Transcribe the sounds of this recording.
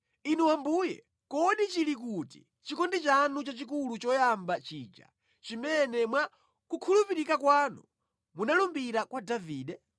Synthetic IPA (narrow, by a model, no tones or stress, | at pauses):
inuwambuːjɛ̰ | kɔɗit͡ʃilik̬utḭ | t͡ʃikɔndit͡ʃanut͡ʃat͡ʃikulut͡ʃɔjambat͡ʃiːd͡ʒa̰ | t͡ʃimɛnɛmwa | kukʰulupiɾikakwaːnṵ | munalumbiɾakwadaviːɗɛ